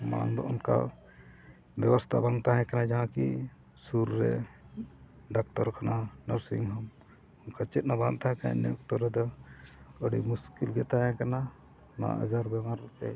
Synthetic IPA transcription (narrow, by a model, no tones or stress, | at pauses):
ma̰ɽa̰ŋd̪ɔʔɔnka̰ | bɛbɔst̪ʰa̰baŋt̪aɦɛ̃kanad͡ʒaɦãki | suɾɾɛ̰ | ɖak̚t̪ɔɾkananɔɾsḭŋɦɔm | ɔnkat͡ʃɛt̪̚nabant̪aɦɛ̃kaa̰nɛɔk̚t̪ɔɾːɛd̪ɔ | əɖimuskilɡɛt̪aɦɛ̃kana | na̰a̰ə̰d͡ʒaɾbɛmaɾt̪ɛ